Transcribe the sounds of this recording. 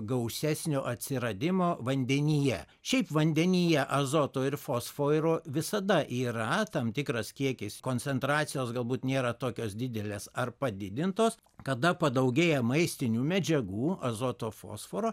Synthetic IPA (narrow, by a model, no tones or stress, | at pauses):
ɡɐʊsʲæsʲnʲoːʔɐt̪ʲsʲɪɾɐd̪ʲɪmoːʋɐnʲd̪ʲɛnʲijɛ | ʃʲɛɪpʋɐnʲd̪ʲɛnʲijɛʔɐzoːt̪oːɪɾfoːsfoːjɾoːʋʲɪsɐd̪ɐʔiːɾɐt̪ɐmt̪ʲɪkɾɐskʲiɛkʲɪskoːnʲt͡ssʲɛnt̪ɾɑːt̪sʲɪjoːsɡɐlˠbuːt̪nʲeːɾɐt̪oːkʲoːsd̪ʲɪd̪ʲɛlʲeːsɐrpɐd̪ʲɪd̪ʲɪnt̪oːs | kɐd̪ɐpɐd̪ɐʊɡʲeːjɛmɐɪsʲt̪ʲɪnʲuːmʲɛd͡ʒʲɛɡuːɐzoːt̪oːfo̰ːsfoːɾoː